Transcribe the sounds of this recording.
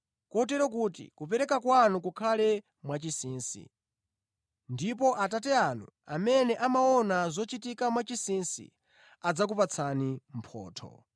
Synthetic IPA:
kɔt̬ɛɾɔk̬uːtḭkupɛɾɛkakwanukukʰalɛ | mwat͡ʃisiːnsḭ | ndip̬ɔʔatatɛanuamɛnɛʔamaɔnazɔt͡ʃitikamwat͡ʃisinsḭ | ad͡zak̬upat͡sʰanim̩pʰɔ̰ːtʰɔ̰

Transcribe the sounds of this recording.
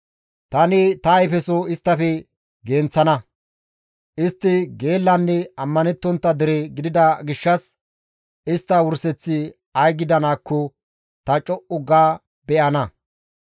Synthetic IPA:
t̪ɐnɪt̪ɐjfɛsɔɪst̪ːɐfɛ | ɡent͡sːɐnɐ | ʔɪst̪ːɪɡe̞ːlːɐnːɛɐmːɐnɛt̪ːɔnt̪ːɐd̪ɪɾeɡɪd̪ɪd̪ɐɡɪʃːɐs | ʔɪst̪ːɐwʊɾsɛt͡sːɪ | ɐjɡɪd̪ɐnaːkːɔ | t̪ɐt͡ʃʼɔʔʊɡaː | bɛʔɐnɐ

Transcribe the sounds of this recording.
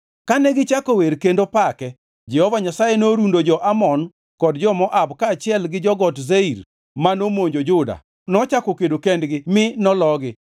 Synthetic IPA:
kanɛɡɪt͡ʃakoweɾkendopakɛ | d͡ʒɛhɔvaɲasajɛnoɾundod͡ʒɔʔamɔn | kɔdd͡ʒɔmɔʔabkat͡ʃɪɛlɡɪd͡ʒɔɡɔtzeiɾ | manomoɲd͡ʒod͡ʒʊda̰ | nɔt͡ʃakɔkedokendɡɪmɪnɔlɔɡɪ

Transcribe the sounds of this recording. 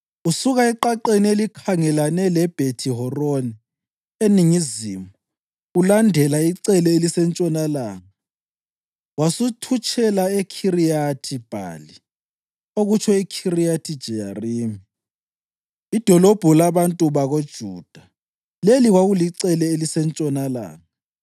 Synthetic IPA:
usuɣaiǃaǃenielikʰaŋɛlanɛlɛb̥ʱetʰiɦɔroni | eniŋizimɔ | ulandʱɛlaiǀɛlɛelisɛnt͡ʃʼɔnalaːŋa | wasutʰut͡ʃʰʼɛlaekʰirijatʰib̥ʱa̰ːli | oɣut͡ʃʰɔikʰirijatʰid̥ʒ̥ʱɛja̰riːmi | id̥ʱɔlɔb̥ʱɔlaβantʼuβaɣod̥ʒ̥ʱṵːd̥ʱa | leliɣwaɣuliǀɛlɛelisɛnt͡ʃʼɔnala̰ːŋaa

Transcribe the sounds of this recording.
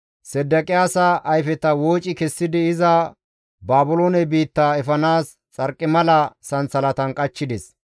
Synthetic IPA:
sɛd̪ːɐkʼɪjaːsɐʔɐjfɛt̪ɐwoːt͡ʃʼːɪkɛsːɪd̪ɪɪzɐ | baːbʊloːnɛbiːt̪ːɐɛfɐnaːs | t͡sʼɐɾkʼːɪmɐlɐsɐnsɐlɐt̪ɐnkʼɐt͡ʃːɪd̪ɛs

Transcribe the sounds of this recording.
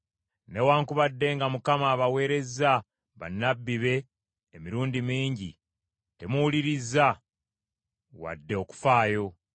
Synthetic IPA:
ne̞waːŋkuβadːe̞ŋɡamukamaːβawe̞ːɾe̞za | βa̰nːabːiβe̞ː | miɾuːndimiːɲɟḭ | te̞muwuliɾizːa | wa̰dːe̞o̞ku̥faːjo̞

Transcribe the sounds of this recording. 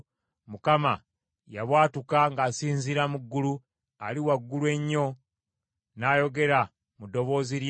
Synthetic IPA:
mukama | jaβwaːtukaŋɡaːsiːnziɾamuɡːulu | aliwaɡːulwe̞ɲːo̞ | naːjo̞ɡe̞ɾa | mudːo̞βo̞ːziɾj

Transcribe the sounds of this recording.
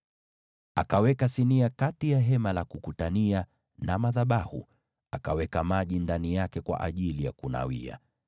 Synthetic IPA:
akawɛkasiniakatijaɦɛmalakukutania | namaðaɓahṵ | akawɛkamaʄindanijakɛkwa̰ʔaʄilijakuna̰wḭa̰

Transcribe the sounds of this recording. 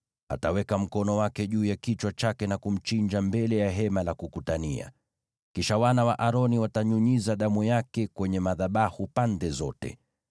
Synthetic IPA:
a̰tawɛkam̩kɔnɔwakɛʄuːjakit͡ʃwat͡ʃakɛnakum̩t͡ʃiɲd͡ʒambɛlɛjaɦɛmalakukutania̰ | kiʃawanawaʔaɾɔniwataɲuɲizaɗamujakɛkwɛɲɛmaðaɓahupandɛzɔ̰tɛ̰

